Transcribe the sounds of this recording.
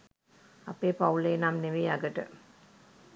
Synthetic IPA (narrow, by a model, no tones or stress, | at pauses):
apeːpauleːnamneʋeːaɡəʈə